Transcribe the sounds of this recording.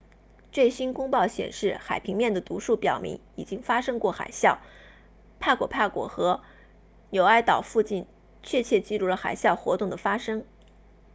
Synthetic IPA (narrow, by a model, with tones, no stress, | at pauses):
t͡swe˥˩ɪɕi˥nkʊ˥ŋpɑ˥˩ʊɕjɛ̰˨˩nʂɻ̩˥˩xa˨˩ɪpʰi˧˥ŋmjɛ˥˩nd̪ə˩t̪u˧˥ʂu˥˩pjɑ˨˩ʊmḭ˧˥ŋi˨˩t͡ɕi˥ŋfa˥ʂɤ˥ŋkwɔ˥˩xa̰˨˩ɪɕjɑ˥˩ʊ | pʰa˥˩kwɔ˨˩pʰa˥˩kwɔ̰˨˩xɤ˧˥ | njo˨˩ʊa˥˩ɪt̪ɑ˨˩ʊfu˥˧t͡ɕi˥˧n | t͡ɕʰɥɛ˥˧t͡ɕʰjɛ˥˧t͡ɕi˥˧ɻu˥˩lə˩xa̰˨˩ɪɕjɑ˥˩ʊxwɔ˧˥t̪ʊ˥˩ŋd̪ə˩fa˥ʂɤ˥ŋ